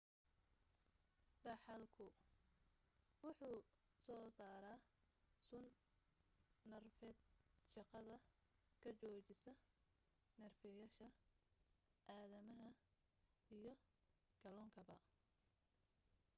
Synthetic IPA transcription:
d̪ɐħɑlkʰʊ | wʊħuː | sɔːsaːɾa | sʊn | ɐrfɛːd̪ʃɑqɑðɐ | kʰɐt͡ʃɔːt͡ʃɪsɐ | nɐrfɛjaːʃɐ | ʔaːðɐmɐɦɐ | ijɞ | ɡ̥ɐlɔːŋkʰɐβɐ̰

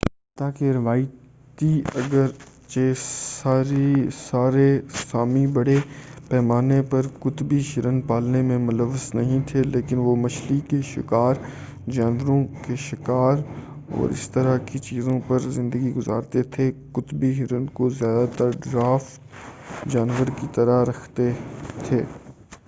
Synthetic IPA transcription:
t̪aːkeɾɪʋaːi | t̪iɐɡəɾ | t͡ʃeːsaːɾisaːɾesaːmĩbɐɽepɛːmaːnepɐɾkʊt̪biʃɪɾə̃npaːlnemẽmʊləʋːəsnɐɦĩt̪ʰeleːkɪnʋomɐʃlikeʃɪ̰kaːɾ | d͡ʒaːnʋəɾõkeʃɪkaːɾɔ̰ːɾɪ̰st̪əɾakit͡ʃiːzõpɐɾzɪ̃nd̪əɡiɡʊza̰ːɾt̪et̪ʰekʊt̪biɦɪɾənkozjaːd̪at̪əɾɖɾaːft̪ | d͡ʒaːnʋəɾkit̪ɐɾaɾɐkʰt̪et̪ʰeː

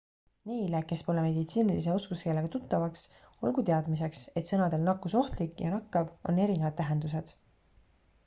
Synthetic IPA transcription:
ne̞jleke̞spo̞leme̞d̪it̪siːnilis̬e̞o̞skuske̞lːe̞ɡ̥ɑt̪ut̪ːɑvɑks | o̞̰lɡut̪e̞ɑd̪mise̞kse̞t̪sɤ̞nɑd̪̥e̞lnɑkːˑuso̞ht̪likjɑ̰nɑkːɑvo̞̰nːe̞ɾinevɑd̪̥̚ːæɦe̞nd̪us̬e̞d̪̥

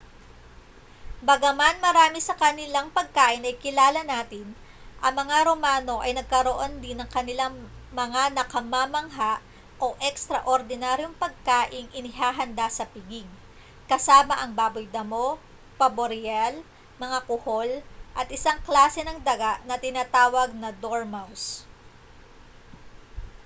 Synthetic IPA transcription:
bɐɡɐmanmɐɾaːmɪsɐkɐnɪlaŋpɐɡ̚kaːʔɪnɐjkɪlaːlɐnaːt̪ɪn | ʔɐŋmɐŋaɾo̞maːno̞ʔɐjnɐɡ̚kɐɾoʔo̞nd̪ɪnɐŋkɐnɪlaŋmɐŋanɐkɐmaːmɐŋɦaʔ | ʔoʔɛkst̪ɾɐʔoɾd̪ɪnaɾjoŋpɐɡ̚kaːʔɪŋʔɪnɪɦaːɦɐnd̪asɐpɪɡɪɡ̚ | kɐsaːmɐʔɐŋbaːbʊjd̪ɐmo̞ | pɐboɾɪɛl | mɐŋakʊho̞lʔɐt̪ʔɪsaŋklaːsɛnɐŋd̪ɐɡaʔnɐt̪ɪnaːt̪aːwɐɡ̚nɐd̪oɹmaws

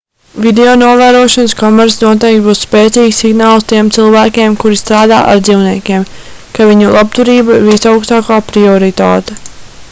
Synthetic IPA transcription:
vid̪eonuɔvæːɾuɔʃɔnskɔmɛɾsnuɔt̪̬ɛjk̚t̪buːsspeːt̪siːksːiɡnaːlˠst̪iɛmt̪silˠvæːkʲeːmkuɾist̪ɾaːd̪a̰ːʔa̰ɾd̪ziːwniɛkʲeɛmkaviɲulˠap̚t̪uɾiːbaɾvisawkst̪aːkaːpɾiɔɾit̪a̰ːt̪ɛ

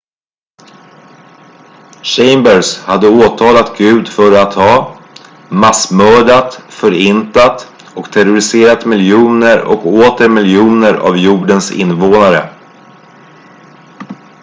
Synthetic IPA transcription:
ɕɛmbəɾshad̪ːəoːt̪ʰɑːlat̪ɡʉ̟ːd̪fœɾat̪hɑː | masmœːɖat̪fœɾɪnt̪at̪ | ɔkt̪ʰɛɾʊɾɪseːɾat̪mɪljuːnəɾɔ̰koːt̪əɾmɪljuːnəɾa̰vjuːɖənsɪ̰nːvoːnaɾə̰

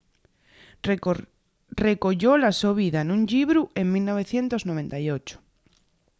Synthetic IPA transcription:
rekoʎolasoβ̞iðanũŋʎiβɾueŋmilnoβ̞eθjent̪oznoβ̞ẽnt̪ajot͡ʃo̥

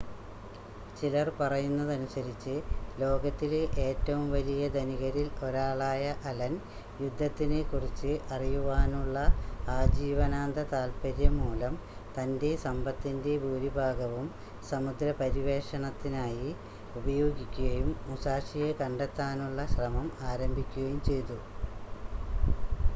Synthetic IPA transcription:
t͡ɕilɐrpɐrɐjunːɐðɐnusɐɾit͡ɕːɨlo̞ːɡɐt̪ːileʔe̞ːtːɐʋumʋɐlijɐd̪ɐniɣɐɾilo̞ɾaːɭaːjɐʔɐlɐn | jud̪ʱːɐt̪ːinekurit͡ɕːɨʔɐrijuʋaːnuɭːɐaːd͡ʑiːʋɐnaːnd̪ɐt̪aːlpɐɾjɐmuːlɐmt̪ɐnde̞sɐmbɐt̪ːinde̞buːɾibʱaːɡɐʋum | sɐmud̪ɾɐpɐɾiʋe̞ːʂɐɳɐt̪ːinaːji | ubɐjo̞ːɡikʲːuɣɐjumːusaːʂijɐkɐɳɖet̪ːaːnuɭːɐɕrɐmɐmaːɾɐmbʱikʲːuɣɐjumt͡ɕe̞jt̪u

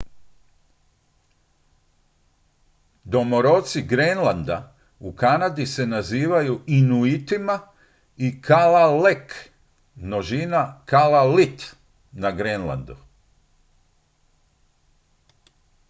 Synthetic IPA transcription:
d̪o̞moɾot̪siɡɾenlˠand̪a | ukanad̪ise̞naziːʋajuʔinuit̪ima | ikʰalalek | noʒinakalalit̪ | naɡɾenlˠa̰nd̪u

